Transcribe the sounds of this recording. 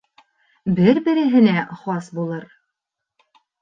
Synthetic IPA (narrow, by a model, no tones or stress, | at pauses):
bɘɾbɘ̆ɾɘ̆ɦɘ̆næχɑsbulˠɤɾ